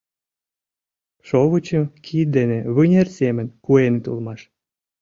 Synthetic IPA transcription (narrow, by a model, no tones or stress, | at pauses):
ʃoβut͡ɕəmkʰit̪̚d̪eneβɨnʲersemə̆nʲkuenet̪ṵlˠmɑʃ